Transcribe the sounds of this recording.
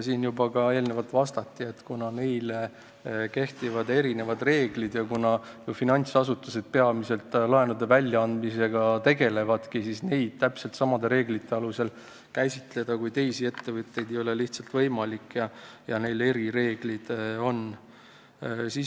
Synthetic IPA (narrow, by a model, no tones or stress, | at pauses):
siːnjubɑkɑe̞ːlnevɑlt̪ːˑvɑst̪ɑt̪ːiet̪kunɑne̞jl | ke̞ht̪ivɑd̪e̞ɾine̞vɑd̪re̞ːɡlid̪jɑkunɑjufinɑnʲt̪sɑsut̪ːuse̞d̪̥̚pe̞ɑmise̞lt̪ːˑlɑe̞nud̪evælʲːjɑɑnd̪̥mise̞ɡ̥ɑt̪e̞ɡe̞le̞vɑd̪kisisne̞jd̪̥̚t̪æpselt̪sɑmɑd̪e̞ɾe̞ːɡlit̪ːe̞ɑluse̞l | kæjsʲit̪le̞d̪̥ɑkujt̪e̞jsie̞t̪ːe̞vɯt̪ˑːe̞jd̪ejo̞le̞liht̪sɑlt̪vɤjmɑlikːˑjɑjɑne̞jle̞ɾiɾe̞ːɡ̥lid̪̥o̞n | si